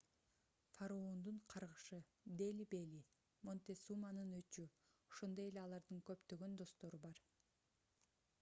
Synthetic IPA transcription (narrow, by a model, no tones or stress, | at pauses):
faɾoond̪uɴqʰɑɾʁɯʃɯ | d̪elʲibelʲi | mo̞nt̪esumanɯnøt͡ʃy | o̥ʃo̞nd̪oje̞leɑlˠɑɾd̪ɯŋkø̞pt̪ø̞ɡø̞nd̪o̞st̪o̞ɾubɑɾ